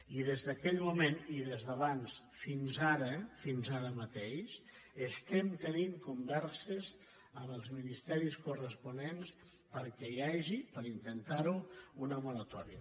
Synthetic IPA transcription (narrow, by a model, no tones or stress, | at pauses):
iðezðəkɛʎmumeniðezðəβans | finzaɾəfinzaɾəmət̪eʃʃ | əst̪ɛmt̪əniŋkumbɛɾsəz | əməlˠzminist̪ɛɾiskurəspunens | pəɾkɛiaʒipəɾint̪ənt̪aɾuunəmulət̪ɔɾiə